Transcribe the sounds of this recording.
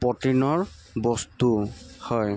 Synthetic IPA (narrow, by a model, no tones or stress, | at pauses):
pɔtinɔɹ | bɔst̪uhɔj